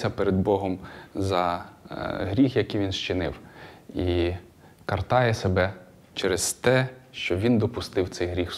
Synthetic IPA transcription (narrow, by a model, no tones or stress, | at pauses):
ɐpeɾed̪̚bɔɦɔmzɐ | ɦɾʲixjɐkijʋʲinʃt͡ʃɪnɪ̰wi | kɐrt̪ɑjɛsebɛ | t͡ʃɛɾezt̪ɛʃt͡ʃɔʋʲind̪ɔpʊst̪ɪwt̪sɛjɦɾʲix